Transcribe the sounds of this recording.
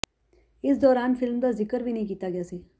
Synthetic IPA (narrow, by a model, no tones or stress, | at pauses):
ɪsd̪ɔːɾaːnfɪlmd̪azɪkəɾbʱiːnɐɦĩkiːt̪aɡɪjaːseː